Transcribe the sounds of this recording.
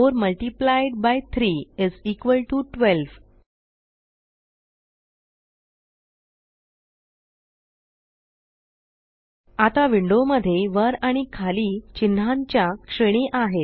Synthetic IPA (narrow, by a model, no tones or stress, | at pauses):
oɾməlʈiplajɖ̚bajt̪ʰɾiːid͡zikʋəlʈuʈʋelʋ | at̪aʋiɳɖoməd̪ʱːjeʋəɾaɽ̃ikʰaliːt͡ɕinːaɲt͡ɕjakʂəɽ̃iʔaɦe